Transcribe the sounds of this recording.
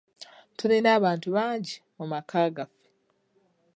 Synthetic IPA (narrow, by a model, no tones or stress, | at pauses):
tuɾinaːβaːntuβaːɲɟimumakʰaːɡafe̥